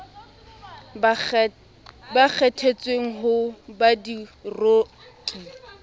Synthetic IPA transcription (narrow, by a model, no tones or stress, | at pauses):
bak͡xʰɛtʰet͡sʼweŋ̩ɦʊbadiro | kʼi